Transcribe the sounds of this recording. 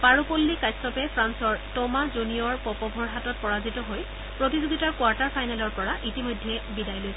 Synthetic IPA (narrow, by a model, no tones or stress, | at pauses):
paɹupolːikajsɔpɛpʰɹansɔɹtɔmazunijɔɹpɔpɔbʱɔɹɦatɔt̚pɔɹazitɔɦoj | pɹotizoɡitaɹkwaɹtaɹpʰajnalɔɹpɔɹaʔitimojdʱːɛbidajlojs